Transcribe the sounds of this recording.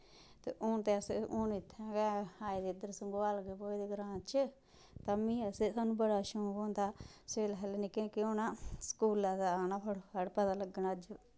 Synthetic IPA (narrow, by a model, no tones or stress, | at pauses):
t̪ḛːʔʊnt̪eːəsonɪt̪ʰːɛ̃ːɡɛaːid̪ed̪əɾsəŋɡoaːlɡepoːid̪iːɡɾãːt͡ʃə | t̪amĩːəsesaːnũːbəɽaːʃoːboːnd̪aːseːlɦɛlnikɪnkionãːskuːlaːd̪anapʰəɽəɽpət̪aːləɡːənəd͡ʒ